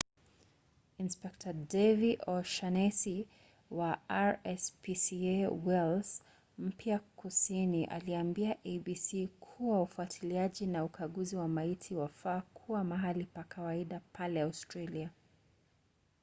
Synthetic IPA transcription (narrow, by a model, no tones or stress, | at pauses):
inspɛk̚tʰadɛviʔɔʃanɛsi | waaɹɛspisiewɛls | m̩pjakusiniʔa̰liambiaʔebisikʰuwaufuatʰiliaʄinaukʰaɠuziwamaitʰiwafaːkʰuwamaɦalipakʰawaiɗapʰalɛawstɾalia